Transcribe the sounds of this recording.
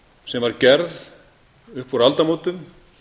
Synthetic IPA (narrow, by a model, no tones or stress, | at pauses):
sɛmvaɾcɛɾð | ʏhpuɾalt̪amoːt̪ʏm